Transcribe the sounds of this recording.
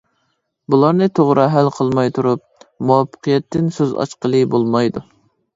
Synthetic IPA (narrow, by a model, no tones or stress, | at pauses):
bulˠɑɾnɨt̪ʰoʁɾʔɑɦælqʰəlˠmɑjt̪ʰuɾup̚ | muwɑpʰːə̥qʰijɛt̪ːɪnsøzɑ̰t͡ʃqəlˠɨbolˠmɑjd̪u